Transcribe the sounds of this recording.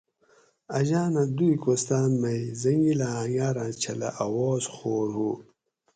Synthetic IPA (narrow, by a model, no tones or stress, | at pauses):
ɐʑaːnad̪uikost̪aːnmɐjzɐŋɡilaãŋɡaːɾãːt͡ɕʰɐlɐ̰ʔawoːzxoːɾhu